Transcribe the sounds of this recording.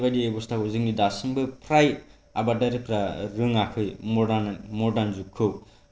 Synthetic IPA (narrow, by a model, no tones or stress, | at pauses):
bajdiebust̪ʰakozɯŋnid̪asɯŋbɯpʰɾaj | abadaɾɯpɾaɾɯŋakʰɯjmoanmoɖanzukʰːɯw